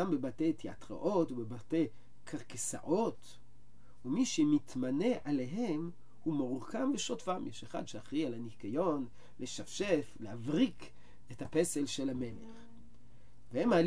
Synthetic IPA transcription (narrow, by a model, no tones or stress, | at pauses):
ambebate̞jtʰia̰tʁa̰ʔo̞tubebatej | kʰaʁkesa̰ʔo̞t | umiʃemitmane̞ʔale̞ɦe̞m | humoʁkamveʃotfamjeʃeχa̰dʃeaχʁialanikajo̞n | leʃafʃeflehavʁik | ethapese̞lʃelame̞leχ | vehemaːl